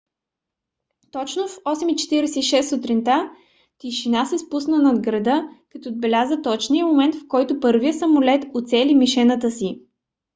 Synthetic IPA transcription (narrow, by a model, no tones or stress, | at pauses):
t̪ɔt͡ʃnofɔsɛmit͡ʃɛ̥t̪iɾɛsɛiʃɛsːut̪ɾint̪a | t̪iʃinasɛspusnənɐd̪ɡɾɐd̪ɤkɐt̪ɔd̪̚bɛlʲazət̪ɔt͡ʃniəmomɛnt̪fkɔjt̪ʊpɤɾvijəsəmʊlɛt̪ot̪sɛlimiʃɛnət̪əsi